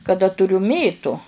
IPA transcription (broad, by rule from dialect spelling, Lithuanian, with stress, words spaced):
kɐˈdɐ tʊˈrʲʊ ˈmʲeːtʊ